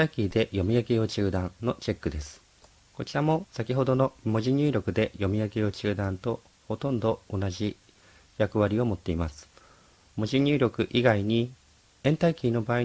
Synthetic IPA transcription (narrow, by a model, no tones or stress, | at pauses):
aikʲiːd̪e̞jo̞mʲijakejo̞t͡ɕɨːd̪ãno̞t͡ɕe̞kːɯ̟d̪e̞sɨ̥ | ko̞t͡ɕiɾamo̞sakʲiɦo̞d̪o̞no̞mo̞ʑiɲ̟ʲɨːɾʲo̞kɯ̟d̪e̞jo̞mʲijakejo̞t͡ɕɨːd̪ãnt̪o̞ | ho̞t̪õ̞nd̪o̞onaʑi | jakɯ̟βaɾʲio̞mo̞t̪ːe̞imasɨ̥ | mo̞ʑiɲ̟ʲɨːɾʲo̞kɯ̟ʔiɡaiɲ̟i | ẽ̞nt̪aikʲiːno̞baːi